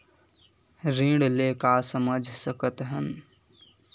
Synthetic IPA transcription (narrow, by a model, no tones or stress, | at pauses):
ɾĩːɖleːkasəməd͡ʒʱsəkət̪ɦən